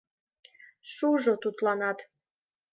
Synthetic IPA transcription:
ʃuʒot̪ut̪lɑnɑt̪

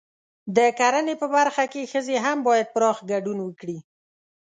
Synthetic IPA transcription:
d̪əkaɾənepəbaɾxakexəzeɦambɑjad̪̚pɾɑxɡaɖunwəkɽi

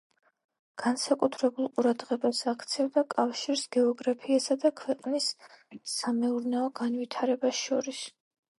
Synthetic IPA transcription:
ɡ̥ansakʼut̪ʰɾɛbulˠqʼuɾad̪ʁɛbasakʰt̪sʰɛvd̪akʼafʃiɾsɡ̥ɛɔɡɾapʰiasad̪akʰwɛqʼnisː | amɛuɾnɛɔɡanvit̪ʰaɾɛbasʃɔɾis

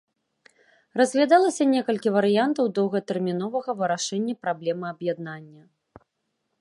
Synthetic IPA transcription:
rɐzʲvʲad̪alˠɐsʲɐnʲɛkɐlʲkʲivɐɾɨjant̪ɐwd̪ɔwɣɐt̪ɛrmʲinɔvɐɣɐvɨɾaʂɛnʲːɐpɾablʲɛmɨɐbjad̪nanʲːɐ

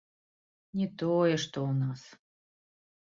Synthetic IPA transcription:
nʲɛt̪ɔjɛʂt̪ɔunas

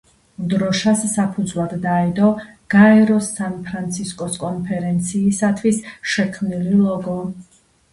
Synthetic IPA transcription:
d̪ɾɔʃasːapʰud̪zvlˠad̪ːaɛd̪ɔɡ̥aɛɾɔsanpʰɾant̪sʰiskʼɔskʼɔnpʰɛɾɛnt̪sʰiːsat̪ʰwisʃɛkʰmnililˠɔɡɔ

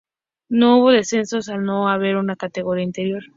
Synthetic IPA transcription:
nouβo̞ðe̞se̞nso̞sano̞aβ̞e̞ɾunakat̪eɣo̞ɾiaint̪eɾjoɾ

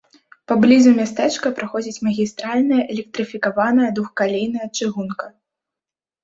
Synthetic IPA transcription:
pɐblʲizumʲast̪ɛt͡ʂkɐpɾaxɔd͡zʲit͡sʲmɐɣʲist̪ɾalʲnɐjɐʔɛlʲɛk̚t̪ɾɨfʲikavanɐjɐd̪vuxkalʲejn̪ɐjɐt͡ʂɨɣunkɐ

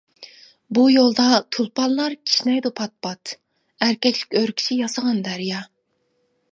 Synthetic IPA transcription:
bujolˠd̪ɑt̪ʰulˠpʰɑnlˠɑɾkʲʰi̥ʃnɛjd̪upʰɑt̪̚pʰɑt̪ | æɾkʲɛkʲlɪ̥kʲøɾkʲʰi̥ʃʰijɑsəʁɑnd̪æɾijɑ

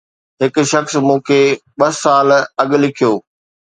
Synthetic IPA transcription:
ɦɪkʊ̆ʃɐxsmũːkʰeːɓɐsaːlɐɠlɪkʰijoː

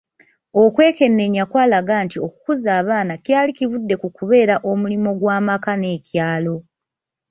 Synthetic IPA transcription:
o̞kwe̞ːke̞nːe̞ɲːakwaːlaɡaːntio̞kukuzaːβaːnacjaːlikivudːe̞kukuβe̞ːɾaʔo̞mulimo̞ɡwaːmakane̞ːcjaːlo̞

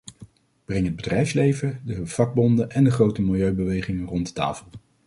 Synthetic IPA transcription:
b̥rɛŋɦəd̚bədrɛjfslejvədəv̥ɑɡ̚bɔndəʔɛndəχrowtəmɪlˠjøɥbəʋejχɪŋərɔntdəta̰ːfəlˠ

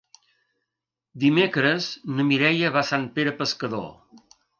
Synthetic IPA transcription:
d̪imekɾəznəmiɾɛjəβasanpeɾəpəskəðo̰

